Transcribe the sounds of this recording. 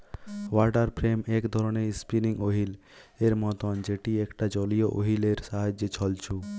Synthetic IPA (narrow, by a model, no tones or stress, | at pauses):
waɾʈaɾpʰɾemekd̪ʱɔɾɔneispiniŋoɦil | eɾmɔt̪ɔnd͡ʒeʈiekʈad͡ʒɔlijoʔoɦileɾsaɦad͡ʒet͡ʃʰɔlt͡ʃʰu